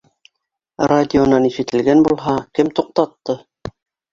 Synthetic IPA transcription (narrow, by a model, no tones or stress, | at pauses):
radʲɪonɑniʃɘ̆t̪ɘ̆lɡænbulˠɦɑkɘmt̪uq̚t̪ɑt̪ːɤ